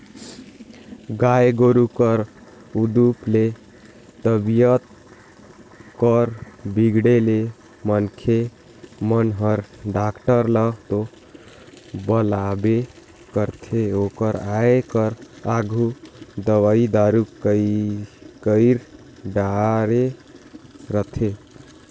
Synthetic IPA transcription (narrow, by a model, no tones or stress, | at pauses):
ɡaeɡoɾukəɾ | ud̪uple | t̪əbijət̪̚ | kɾbiɡɽele | mənkʰe | mənɦəɾɖakʈəɾlət̪o | bəlabe | kəɾt̪ʰeokəɾaekəɾaɡʱud̪əwaid̪aɾu | kəɪɾ | ɖaɾe | ɾət̪ʰe